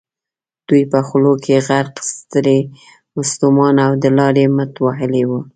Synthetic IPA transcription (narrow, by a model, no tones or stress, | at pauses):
d̪̥ujpəxlokʰeɣaɾqst̪əɾe | mʊst̪umɑnawd̪əlɑɾemət̪waɦəlewu